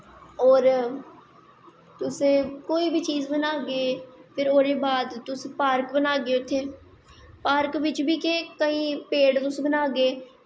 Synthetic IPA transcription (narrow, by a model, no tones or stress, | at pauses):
ɔːɾ | t̪ʊsẽːkoːiːbʱiːt͡ʃiːzbənaːɡeeːpʰɪɾoːɾeːbaːd̪t̪ʊsepaːɾkbənaːɡeːʊt̪ʰːeː | paːɾkʋɪt͡ʃbʱiːkẽːkəɦĩːpeːɽt̪ʊsbənaːɡeː